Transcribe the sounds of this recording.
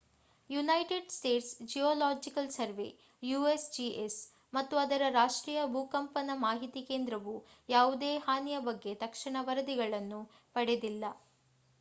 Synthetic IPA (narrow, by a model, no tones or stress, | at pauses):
junɐjʈeɖsʈeːʈsd͡ʒijɔːlaːd͡ʒikɐlsɐɾʋḛ | juːesd͡ʒiʔes | mɐt̪ːuɐd̪ɐɾɐɾaːʂʈɾiːjɐbuːkɐmpɐnɐmaːɦit̪ike̞ːnd̪ɾɐʋujaːʋud̪eːɦaːnijɐbɐɡːe̞t̪ɐkʂɐɳɐʋɐɾɐd̪iɡɐɭɐnːu | pɐɽed̪ilːɐ